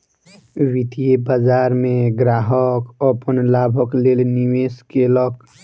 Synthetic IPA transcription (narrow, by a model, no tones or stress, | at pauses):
wit̪ijebəd͡ʒaːɾmẽɡɾaːɦəkɔpənlaːbʱəkleːlniweːskelək